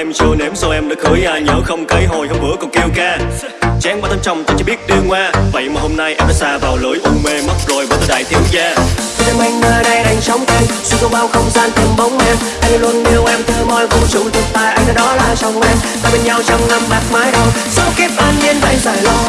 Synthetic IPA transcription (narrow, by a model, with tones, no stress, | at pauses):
ʔɛ˧mt͡ɕɨ˧əne˨˦mswʔɛ˧mɗɨ̰˧˥k̚hɨ˨˦əjʔaː˧˩ɲəː˨˦xə˧wŋ͡mkə˨˦jɦo˨˩jhə˧wŋ͡mɨ̰˧˥əkɔ˨˩ŋ͡mki˧wkaː˧ | t͡ɕɛ˨˧˦ŋkaː˧˩t̪ʰə˧ŋ͡mt͡ɕɔ˧wŋ͡mt̪aː˧˩t͡ɕɔ˧ɓi˦˥ət̚ɗi˧əŋwaː˧və̰˧˨jmaː˨˩ho˧mna˧jʔɛ˧pɛ˧saː˧vaː˨˩wləː˨˦jʔu˧me˧ma˦˥t̚zo˨˩jvaː˨˩t̪əː˨˧˩ɗa̰ː˧˨jt̪ʰi˨˦əwzaː˧e˧mʔa˧jŋməː˨˧˩ɗə˧jɗa˨˩jŋ̟sə˨˦wŋ͡mkə˧jswi˧ko˧ɓaː˧˩wxə˧wŋ͡mzaː˧nt̪ʰə˧mɓə˨˦wŋ͡mʔɛ˧m | ʔa˧jŋlu˧ənːe˨˧˦wʔɛ˧mt̪ʰɨː˧˩mɔ˧˩jvə˨˧˦m˨˩t̚t͡ɕṵ˧˨t̪i˨˩ən̚t̪aː˧˩jʔa˧jŋ̟ʔa˨˧˩ɗɔ˨˦laː˨˩sa˨˧˩wŋ͡mʔɛ˧mt̪aː˧˩ɓe˧nɲa˧wt͡ɕa˧mna˧maː˨˩t̚maː˨˦jɗo˧˩jsa˨˧˦ke˦˥p̚ʔaː˧nɲi˧ənvə̰˧˩˨jzaː˧˩jlɔ˧